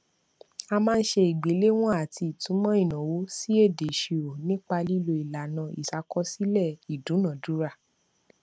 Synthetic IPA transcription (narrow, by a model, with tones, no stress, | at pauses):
a˧mãː˦˧n̩˦ʃe˧i˨ɡ͡be˨˦le˦w̃ɔ̃˦a˨ti˧i˨tũ˨˦mɔ̃˦i˦˨nã˨wo˦si˦e˦˨de˨ʃe˨o˨nĩ˦k͡pa˧li˦lo˧i˨la˨nã˨˧i˨sa˧kɔ˦si˦lɛ˦˨i˨dũ˨˦nã˨dũ˨˦ɾa˦˨